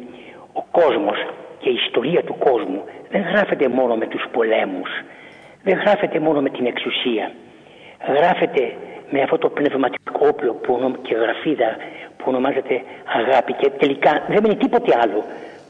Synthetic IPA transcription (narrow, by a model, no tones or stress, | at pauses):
o̞ko̞zmo̞sce̞iːst̪o̞ɾiɐt̪uko̞zmuðe̞ŋɣɾɐfe̞t̪e̞mo̞no̞me̞t̪uspo̞le̞mus | ðe̞ŋɣɾɐfe̞t̪e̞mo̞no̞me̞t̪ine̞ksusiɐ | ɣɾɐfe̞t̪e̞me̞ɐft̪ot̪o̞pne̞vmɐt̪ii̥kʰo̞oplo̞puonoce̞ɣɾɐfiðɐpuo̞no̞mɐzet̪e̞ɐɣɐpicet̪e̞likɐðemenit̪ipo̞t̪e̞ɐlo̞